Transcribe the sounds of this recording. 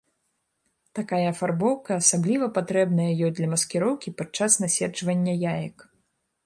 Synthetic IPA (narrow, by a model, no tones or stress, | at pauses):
t̪akajɐːfarbɔwkɐːsablʲivɐpat̪ɾɛbnɐjɐjɔd̪lʲɐmɐskʲɛɾɔwkʲipat͡ʂasnasʲɛd͡ʐvɐnʲːɐjajɐk